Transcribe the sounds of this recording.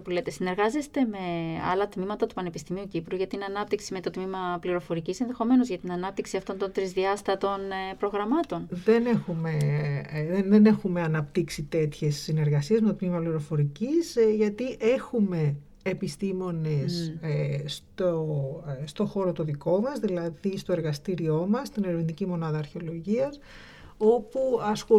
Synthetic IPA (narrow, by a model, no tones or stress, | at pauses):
opule̞t̪e̞sine̞ɾɣɐze̞st̪e̞me̞ɐ̰lɐt̪mimɐt̪ɐt̪u̥pɐne̞pi̥st̪imiucipɾuʝɐt̪inɐnɐp̚t̪iksime̞t̪o̞t̪mimɐpliɾo̞fo̞ɾicise̞nðe̞xo̞me̞no̞zʝɐt̪inɐnɐp̚t̪iksiɐft̪o̞nt̪o̞nt̪ɾizðiɐst̪ɐt̪o̞npɾo̞ɣɾɐmɐt̪o̞nðe̞ne̞xume̞ | ðenene̞xume̞ɐnɐp̚t̪iksit̪e̞t̪çe̞sːine̞ɾɣɐsiezme̞t̪ot̪mimɐpliɾo̞fo̞ɾicisʝɐt̪iʔe̞xume̞ː | pist̪imo̞ne̞sst̪ost̪o̞xo̞ɾo̞t̪oðiko̞mɐzðilɐðist̪o̞e̞ɾɣɐst̪iɾio̞mɐst̪ineɾmind̪icimo̞nɐðɐːɾçe̞o̞lo̞ʝiɐs | o̞puɐsxo̞